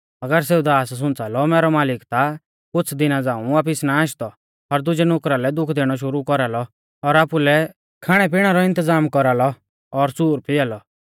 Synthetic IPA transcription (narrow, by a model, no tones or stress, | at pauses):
ɐɡəɾs̬eːud̪aːss̬ʊ̃nt͡saːlɔmɛːɾɔmaːlɪkt̪a | kʊt͡sʰd̪ɪnad͡zãːũʋaːp̬ɪsnaaʃt̪ɔ | ɔɾd̪ʊd͡ʒɛnʊkɾalɛd̪ʊkʰd̪eːɽ̃ɔʃ̬ʊɾukɔɾalɔ | ɔɾaːpulɛ | kʰaːɽ̃ɛp̬iɽ̃aɾɔɪ̃nt̪əd͡zaːmkɔɾalɔ | ɔɾsuːɾpɪjaːlɔ